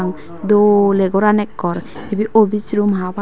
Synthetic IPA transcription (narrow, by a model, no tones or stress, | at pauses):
ŋ | d̪olɛɡɔɾanɛkːɔɾ | ebiʔobit͡ʃɾumɦaba